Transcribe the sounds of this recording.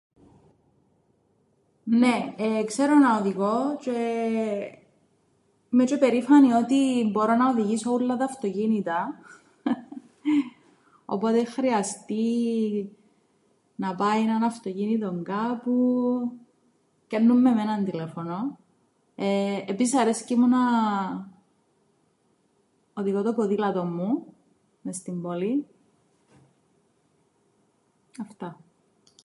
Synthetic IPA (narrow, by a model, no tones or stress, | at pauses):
ne̞ekse̞ɾo̞nɐoðiɣo̞t͡ʃe | imet͡ʃepe̞ɾifɐnio̞t̪imbo̞ɾo̞nɐoðiʝiso̞ulːɐt̪ɐːft̪o̞cinit̪ɐ | o̰po̞t̪exɾiɐst̪i | nɐpɐienɐnɐft̪o̞cinit̪o̞ŋɡɐpu | kenːumːe̞menɐnd̪ilefono | eːpisisɐɾescimunɐ | oðiɣot̪okoðilɐt̪o̞mːu | mest̪imboli | ɐft̪ɐ